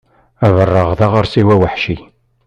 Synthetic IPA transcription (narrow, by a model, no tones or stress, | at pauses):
ævərˤːəʁðaʁəɾsiwæwəħʃi